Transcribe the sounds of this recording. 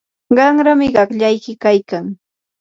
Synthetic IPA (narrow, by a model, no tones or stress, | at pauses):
ɢɑŋɾamɪɢɑkʎajkɪkajkaŋ